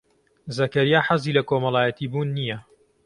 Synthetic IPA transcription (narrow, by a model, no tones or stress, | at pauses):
zɐkɐɾijaːħɐziːlɐkomɐlˠaːjɐt̪ʰiːbuːnːijɐ